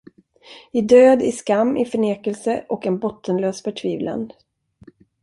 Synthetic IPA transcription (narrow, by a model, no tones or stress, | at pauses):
ɪd̪øːd̪ɪskamːʔɪfœɳeːkəlsəʔɔkɛnbɔt̪ʰːənløːsfœʈʰviːvla̰n